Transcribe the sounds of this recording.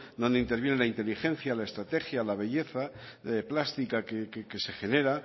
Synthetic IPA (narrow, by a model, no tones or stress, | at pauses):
d̪o̞nd̪e̞int̪eɾβje̞nelaint̪e̞lixẽ̞n̟θjalaest̪ɾat̪e̞xjalaβ̞e̞ʝe̞θaeplast̪ikakekeke̞se̞xe̞ne̞ɾa